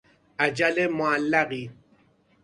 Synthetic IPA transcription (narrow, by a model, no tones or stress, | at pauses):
ad͡ʒalɛmwalaɣi